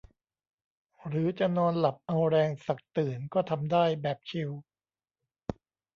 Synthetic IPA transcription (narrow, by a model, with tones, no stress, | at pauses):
ɾɯː˩˦t͡ɕa˨˩nɔː˧nla˨˩p̚ʔa˧wɾɛː˧ŋsa˨˩k̚t̪ɯː˨˩nkɔː˥˩t̪ʰa˧mdaː˥˩jbɛː˨˩p̚t͡ɕʰi˧w